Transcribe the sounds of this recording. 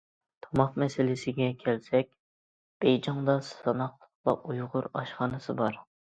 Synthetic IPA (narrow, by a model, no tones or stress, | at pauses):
t̪ʰɑmɑqmɛsɪlɪsɪɡʲɛkʲʰɛlsɛkʲ | b̥ejd͡ʒɑŋd̪ɑsɑnɑqlˠəχlˠɑ̰ujʁʊɾɑʃχɑnɨsɨbɑɾ